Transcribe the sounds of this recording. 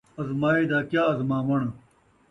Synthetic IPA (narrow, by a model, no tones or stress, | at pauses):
ɐzmaːid̪aːkjaːɐzmãːmɐɳ